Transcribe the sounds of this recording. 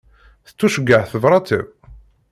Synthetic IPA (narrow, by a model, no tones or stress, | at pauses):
θə̥t͡sːuʃəɡːəʕθəvɾˤɑt̪ə̰v